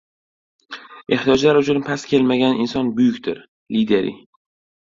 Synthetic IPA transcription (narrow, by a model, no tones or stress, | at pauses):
eht̪ijɒd͡ʒlaɾʊt͡ʃʰʊnpʰaskʲʰe̞lmaɡʲanɪnsɒnbʊjʊkʲt̪ʰɪɾ | lid̪e̞ɾḭ